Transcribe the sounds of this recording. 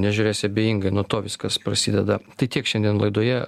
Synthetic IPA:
nʲæʒʲʊɾʲeːsʲɪɐbʲeːjiŋɡɐɪnuɔt̪oːʋʲɪskɐspɾɐsʲiːd̪ʲɛd̪ɐt̪ɐɪt̪ʲiɛkʃʲɛnʲd̪ʲiɛnlˠɐɪd̪oɔjɛ

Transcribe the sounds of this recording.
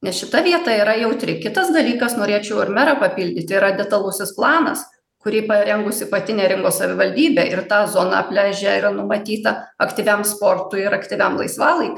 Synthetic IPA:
nʲɛsʃʲɪt̪ɐʋʲiɛt̪ɑiːɾɐjɛʊt̪ʲɾʲɪkʲɪt̪ɐsd̪ɐlʲiːkɐsnoːɾʲeːt͡ʃʲɛʊɪɾmʲɛɾɐpɐpʲɪlʲd̪ʲɪt̪ʲiɾɐd̪ʲɛt̪ɐlˠʊsʲɪsplˠɑːnɐ̰s | kʊɾʲiːpɐɾʲɛŋɡʊsʲɪpɐt̪ʲɪnʲeːɾʲɪŋkoːssɐʋʲɪʋɐlʲd̪ʲiːbʲeːʔɪrt̪ɑːzoːnɑ̰ɐpʲlʲæːʒʲɛɪɾɐnʊmɐt̪ʲiːt̪ɐɐkt̪ʲiʋʲæmspoːrt̪ʊɪɪɾɐkt̪ʲɪʋʲæmlˠɐ̰ɪsʋɑːlˠɐɪ

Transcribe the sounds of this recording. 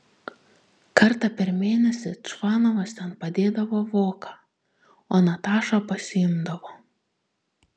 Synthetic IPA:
kɐɾt̪ɐpʲɛɾmʲeːnʲɛsʲɪt͡ʃʋɑːnɔʋɐst̪ʲɛnpɐd̪ʲeːd̪ɐʋoːʋoːkɑ | oːnɐt̪ɑːʃopɐsʲɪɪmd̪ɐʋoː

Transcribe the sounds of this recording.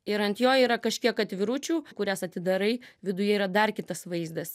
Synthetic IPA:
ɪɾɐnt̪joːiːɾɐkɐʃʲkʲiɛkɐt̪ʲʋʲɪɾʊt͡ʃʲuːkʊɾʲæsɐt̪ʲɪd̪ɐɾɐɪʋʲɪd̪ʊjɛiːɾɐd̪ɐrkʲɪt̪ɐsʋɐɪzd̪ɐs

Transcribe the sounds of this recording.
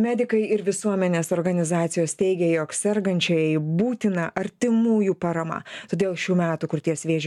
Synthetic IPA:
mʲæːd̪ʲɪkɐɪɪɾʋʲɪsuɔmʲɛnʲeːsoːɾɡɐnʲɪzɑːt̪sʲɪjoːst̪ʲɛɪɡʲɛjoːksʲɛɾɡɐnʲt͡ʃʲɛjɛɪbuːt̪ʲɪnɐʔɐɾʲt̪ʲɪmuːjuːpɑɾɐmɑ̰t̪oːd̪ʲeːlˠʃʲuːmʲæːt̪ukʊɾt̪ʲiɛsʋʲeːʒʲ

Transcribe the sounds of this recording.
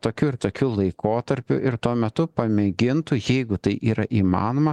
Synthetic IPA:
t̪oːkʲuːɪɾt̪oːkʲuːlˠɐɪkoːt̪ɐɾʲpʲʊ̰ʔɪɾt̪uɔmʲɛt̪ʊpɐmʲɛɡʲɪnt̪ʊjɛɪɡʊt̪ɐɪʔiːɾɐʔiːmɑ̰ːnoːmɐ

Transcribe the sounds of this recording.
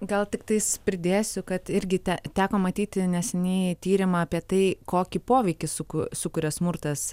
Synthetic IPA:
ɡɐlˠt̪ʲɪkt̪ɐɪspʲɾʲɪd̪ʲeːsʲʊkɐt̪ɪɾʲɡʲɪt̪ʲɛt̪ʲæːkoːmɐt̪ʲiːt̪ʲɪnʲɛsʲɛnʲeːt̪ʲiːɾʲɪmɐɐpʲiɛt̪ɐɪkoːkʲipoːʋʲɛɪkʲɪsʊkʊsʊkʊɾʲɛssmʊrt̪ɐs

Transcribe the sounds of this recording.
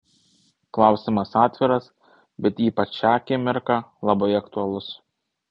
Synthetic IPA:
klˠɑˑʊsʲɪmɐsɑːt̪ʲʋʲɪɾɐs | bʲɛt̪iːpɐt͡ʃʲɑːkʲemʲɪɾkɑlˠɐbɐɪɐkt̪ʊɐlˠʊs

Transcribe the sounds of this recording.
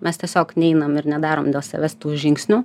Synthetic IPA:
mʲɛst̪ʲɛsʲoːknʲɛɪnɐmɪɾnʲɛd̪ɑːɾoːmd̪ʲeːlˠsʲɐ̰ʋʲɛst̪uːʒʲɪŋksʲnʲu

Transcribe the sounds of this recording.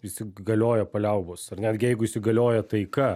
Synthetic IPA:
isʲɪɡɐlʲoːjɛpɐlʲɛʊboːsɐrnʲæːd̪ʲɡʲɪjɛɪɡʊɪʃʲsʲɪɡɐlʲoːjɛt̪ɐɪkɐ

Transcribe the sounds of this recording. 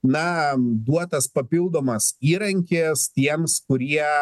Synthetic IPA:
nɐd̪uɔt̪ɐspɐpʲɪlˠd̪oːmɐsiːɾɐŋʲkʲest̪ʲiɛmskʊɾʲiɛ

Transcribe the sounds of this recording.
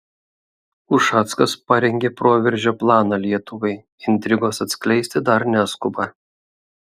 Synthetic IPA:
ʊʃɑːt̪skɐspɐɾʲɛŋʲɡʲeːpɾoːʋʲɛɾʲˑʒʲoːplˠɑːnɑlʲiɛt̪ʊʋɐɪ | ɪnʲt̪ʲɾʲɪɡoːsɐt̪ʲsʲklʲɛɪsʲt̪ʲɪd̪ɐɾnʲæskʊbɑ

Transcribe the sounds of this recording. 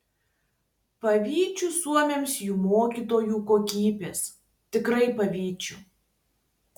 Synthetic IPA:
pɐʋʲiːt͡ʃʲusuɔmʲeːmsjuːmoːkʲiːˑt̪oːjuːˑkoːkʲiːbʲeːs | t̪ʲɪkɾɐɪpɐʋʲiːt͡ʃʲʊ

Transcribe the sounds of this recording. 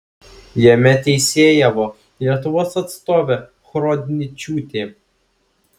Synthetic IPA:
jɛmʲɛt̪ʲɛɪsʲeːjɛʋɔ | lʲiɛt̪ʊʋoːsɐt̪st̪oːʋʲɛ | xɾoːd̪ʲɪnʲɪt͡ʃʲuːt̪ʲe

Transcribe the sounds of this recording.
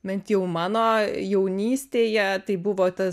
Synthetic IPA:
bʲɛnt̪jɛʊmɑːnoːjɛʊnʲiːsʲt̪ʲeːjɛt̪ɐɪbʊʋoːt̪ɐ

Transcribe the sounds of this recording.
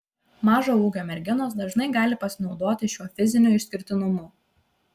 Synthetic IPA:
mɑːʒoːuːɡʲoːmʲɛɾʲɡʲɪnoːs̬d̪ɐʒnɐɪɡɑːlʲɪpɐsʲɪnɒʊd̪oːt̪ʲɪʃʲuɔfʲɪzʲɪnʲuːɪʃʲsʲkʲɪɾʲt̪ʲɪnʊmuː

